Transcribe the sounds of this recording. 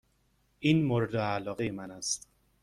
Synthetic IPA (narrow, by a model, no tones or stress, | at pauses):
ʔiːnmoɾed̪eælɒːɣejemænæst̪